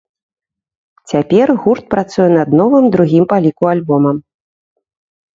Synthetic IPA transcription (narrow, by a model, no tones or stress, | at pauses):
t͡sʲapʲɛrɣurt̪̚pɾat̪sujɛnɐd̪̚nɔvɨmd̪ɾuɣʲimpalʲikualʲbɔmɐm